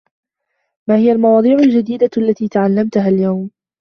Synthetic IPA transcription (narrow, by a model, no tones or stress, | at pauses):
maːhɪjalmɑwɑːd̪ˤiːʕʊld͡ʒad̪iːd̪alːat̪iːt̪aʕalːamt̪ʊɦaljawm